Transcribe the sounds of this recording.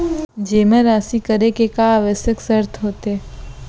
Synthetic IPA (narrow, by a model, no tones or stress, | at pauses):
d͡ʒeːmẽɾaːsikəɾekekaːʋəʃjəksəɾt̪ʰɦoːt̪eː